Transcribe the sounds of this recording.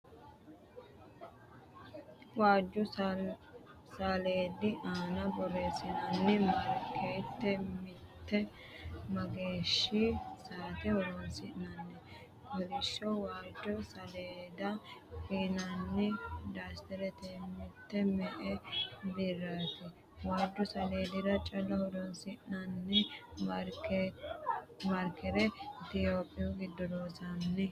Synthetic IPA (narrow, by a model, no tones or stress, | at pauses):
waːd͡ʒːʊ | saleːd̪ːɪʔaːnɐbɔɾesɪnɐnːɛmɐɾkʰeːt̪ːɛmɪt̪ːɛ | mɐɡeːʃːisaːt̪ɛɔɾonsɪʔnɐnːɛ | wɔlɪʃːɔwaːd͡ʒːɔsɐleːd̪ɐkiːnɐnːɛd̪aːst̪ɛɾɛt̪emɪt̪ːɛmɛʔɛb̪ɪrːaːt̪ɛ | waːd̪ːɔsɐleːd̪ɪdɐt͡ʃʼɐlːɐhɔd̪ɔnsɪʔnɐnːɛɾ | mɐɾkʰɛɾɛt̪ɪjoːpʼːɪjʊɡɪd̪ːɔɾoːsɐnːɛ